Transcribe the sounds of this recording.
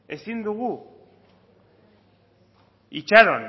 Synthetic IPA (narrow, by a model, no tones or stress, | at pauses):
e̞sind̪uɣu | it͡ʃaɾon